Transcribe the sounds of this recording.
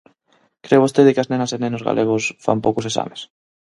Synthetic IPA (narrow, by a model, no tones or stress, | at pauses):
kɾeoβost̪eðɪkɪaznẽnasenẽnozɣa̰lʔeɣ̞osfa̰mpowkʊsesa̰mes